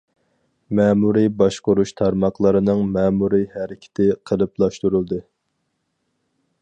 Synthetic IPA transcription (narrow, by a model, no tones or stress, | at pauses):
mɛːmuɾibɑʃqʊɾuʃt̪ʰɑɾmɑχlˠəɾɨnɨŋmɛːmuɾihæɾɪkʲʰɪ̥t̪ʰɪqʰəlˠɨplˠɑʃt̪uɾulˠd̪ɨ